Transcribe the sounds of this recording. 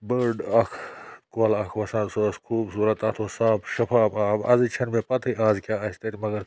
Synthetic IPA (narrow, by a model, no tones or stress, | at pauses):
bəɾɖɐkʰkolɐkʰʋɐsaːnsskʰuːbsuːɾɐt̪ɐt̪ʰosaːbʃɐfʰaːbaːbɐ̰zit͡ʃʰɐnmepɐt̪ʰɐjʔaːzkʲaːɐst̪ɐɾimɐɡɐɾ